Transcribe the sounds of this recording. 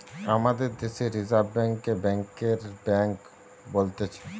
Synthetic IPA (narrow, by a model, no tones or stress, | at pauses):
amad̪eɾd̪eʃeɾizaɾbːɛŋkebɛŋkeɾbɛŋk | bolt̪et͡ɕʰe